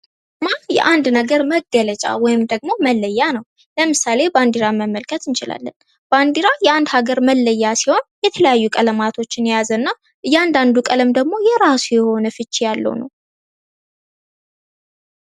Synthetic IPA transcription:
majɛ̰ʔand̪nəɡəɾməɡːələt͡ʃʼa̰wɔjɪmd̪əɡmo̞məlːəjːanəw | ləmɨsale̞band̪iɾaməmːəlkʰət̪ɨnt͡ʃɪla̰lːən | b̥and̪iɾajɛand̪haɡəɾməlːəjːasiho̞njɛt̪ʰələjajːukʼələmat̪ʰo̞t͡ʃːɪnjazənːa | jɛand̪and̪ukʼələmd̪əɡmo̞jɛɾasujɛho̞nəfɨt͡ʃːɪjalːə̰wnə̰w

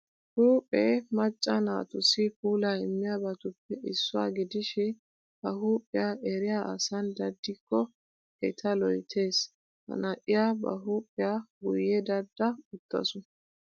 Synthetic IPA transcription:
huːpʼːeːmɐt͡ʃʼːɐna̰ːt̪ʊsɪk̚uːlaːɪmːɪjaːbɐt̪ʊpːɛɪsːʊwa̰ːɡɪd̪ɪʃɛ | hɐɦuːpʼːɪjaːʔɛɾɪjaːʔɐsɐnd̪ɐd̪ːɪkːɔ | ɛt̪ʰɐlɔjt̪ʰe̞ːs | hɐ̰nɐʔɪjaːbɐ̰ɦuːpʼːɪjaːɡʊjːɛd̪ɐd̪ːɐʊt̪ʼːɐ̰sʊ

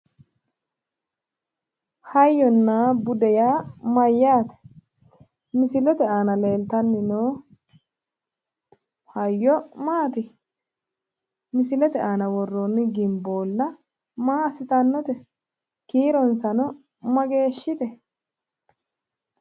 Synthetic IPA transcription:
hɐjːɔnːaːbʊd̪ɛjaːmɐjːaːt̪ɛ̥ | mɪsɪlɔt̪ɛaːnɐleːlt̪ɐnːɪnoː | hɐjːɔmaːt̪ɪ | mɪsɪlɛt̪ɛʔaːnɐwɔrːonːɪɡɪmboːlːɐ | maːɐsɪt̪ɐnːɔt̪ɛ | kiːɾɔnsɐnɔ | mɐɡe̞ːʃːɪt̪ɛ

